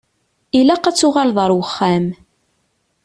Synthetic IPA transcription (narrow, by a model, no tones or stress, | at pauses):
ilæqæt͡sːʊʁalðˤəɾˤwəχːæm